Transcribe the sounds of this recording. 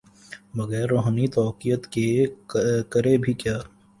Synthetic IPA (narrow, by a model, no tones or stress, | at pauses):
ʋɐɣɛːɾːoːɦnit̪ɔːkijət̪ke | kəɾebʱikjaː